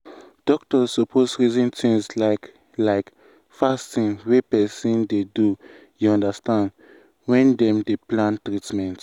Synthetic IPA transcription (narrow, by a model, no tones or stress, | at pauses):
d̥ɔk̚tɔsːɔpʰosɹizĩntĩŋslaɪk | laɪk | fastĩŋwepɛsĩndedu | juɔ̃ndastãnd | wɛ̃ndɛ̃mdeplãntɾitmɛ̃nt